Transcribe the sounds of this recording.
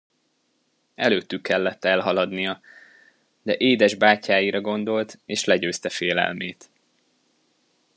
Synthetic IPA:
ɛløːt̪ːykːɛlːɛt̪ːɛlɦɒlɒd̪nijɒ | d̪ɛʔeːd̪ɛʒbaːcːaːjiɾɒɡo̞nd̪o̞lt̪eːʃlɛɟøːst̪ɛfeːlɛ̰lmeːt̪

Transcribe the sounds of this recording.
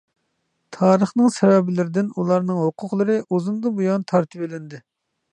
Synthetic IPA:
t̪ʰɑːɾəχnɨŋsɛvɛbɪlɪɾɪd̪ɪnulˠɑɾnɨŋɦoqʰʊqlˠɨɾɨʔozumd̪ɨbujɑnt̪ʰɑɾt̪ʰɨpelɪnd̪ɪ

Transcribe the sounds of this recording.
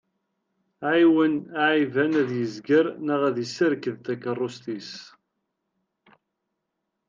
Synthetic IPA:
ʕiwənaʕivænæðjəzɡəɾnəʁæðəsəɾkəðt̪ækərˤːost̪is

